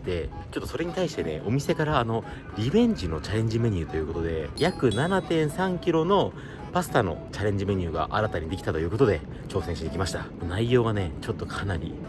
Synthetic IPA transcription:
d̪̥e̞ | t͡ɕo̞t̪ːoso̞ɾe̞ɲ̟it̪aiɕi̥t̪e̞ne̞̰ʔo̞mʲise̞kaɾaːno̞ | ɾʲiβẽ̞ɲ̟d͡ʑino̞t͡ɕaɾẽ̞ɲ̟d͡ʑime̞ɲ̟ɯ̟ːt̪o̞jiɯ̟ko̞t̪o̞d̪e̞jakɯ̟nanat̪ẽ̞ɰ̃sãŋkʲiɾo̞no̞ | pasɨ̥t̪ano̞̰t͡ɕaɾẽ̞ɲ̟d͡ʑime̞ɲ̟ɨ̟ːɡa̰ʔaɾat̪aɲ̟id̪e̞kʲi̥t̪at̪o̞jiɯ̟ːko̞t̪od̪e̞ | t͡ɕo̞ːsẽɕiɲikʲimaɕi̥t̪a | naijo̞ːɡane̞t͡ɕo̞t̪ːo̞kʰanaɾʲḭ

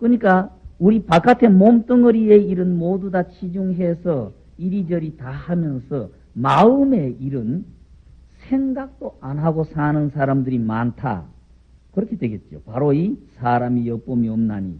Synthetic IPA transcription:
kɯɲik͈auɾipak͈atʰe̞momt͈ɯŋɯɾie̞iɾɯnmodudat͡ɕʰid͡ʑuŋɦe̞sʰʌ | iɾid͡ʑʌɾitahamjʌnsʰʌ | maɯme̞iɾɯn | sʰe̞ŋɡak̚t͈oanɦaɡosʰanɯnsʰaɾamdɯɾimantʰa̰ | kɯɾʌkʰe̞dwe̞ɡe̞t̚t͡ɕ͈o̰paɾoisʰaɾamijʌp͈omiʌmna̰ɲḭ

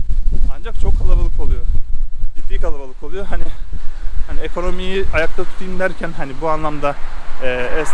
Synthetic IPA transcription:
and͡ʒak̚t͡ʃʰo̞kʰːalˠaɾalˠɯkʰolˠujo | bikalˠaɾalˠɯkʰolˠujoɦani | haniekʰo̞no̞mijiajak̚t̪ʰat̪ʰu̥t̪ʰajind̪æɾcʰænhanibuanlˠamd̪aɛːɛs

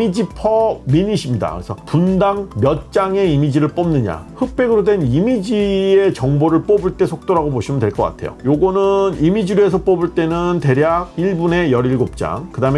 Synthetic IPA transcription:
id͡ʑipʰʌmiɲiɕʰimɲida̰kɾesʰʌpundaŋmjʌt̚t͡ɕ͈aŋe̞imid͡ʑiɾɯɭp͈omnɯɲa̰hɯk̚p͈e̞ɡɯɾodwe̞nimid͡ʑie̞t͡ɕʌŋboɾɯɭp͈obuɭt͈e̞sʰok̚t͈oɾaɡoboɕʰimɯndwe̞ɭk͈ʌk͈a̰tʰe̞̰jo̰joɡʌnɯnimid͡ʑiɾue̞s̬ʰʌp͈obuɭt͈e̞nɯnte̞ɾjaɡ̚iɭbune̞jʌɾiɭɡop̚t͡ɕ͈a̰ŋkɯdame

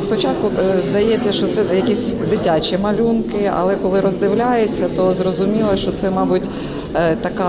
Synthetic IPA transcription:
spɔt͡ʃɑt̪̚kʊzd̪ɐjɛt͡sʲːɐʃt͡ʃɔt̪sɛjɐkʲisʲd̪ɪtʲat͡ʃʲimɐlʲunkɪɐ̰lˠɛkɔlˠɪɾɔzd̪ɪwlʲajesʲɐt̪ɔzrɔzʊmʲilˠɐʃt͡ʃɔt̪sɛmɑbʊtʲ | t̪ɐkɑ

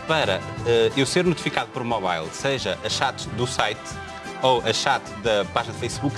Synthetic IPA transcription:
pɐɾɐɛewseɾnut̪i̥fikaðupɔɾmɔβa̰jlˠseʒɐʔɐʃat̪d̪usajt̪ | owʔɐʃat̪ðɐpaʒinɐðfɐjsβuk

